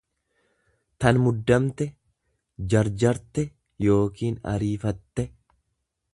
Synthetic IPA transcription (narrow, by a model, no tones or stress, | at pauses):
t̪ɐnmʊd̪ːɐmt̪ɛ | d͡ʒɐɾd͡ʒɐɾt̪ɛ | jo̞ːkiːnɐ̰ɾiːfɐt̪ːɛ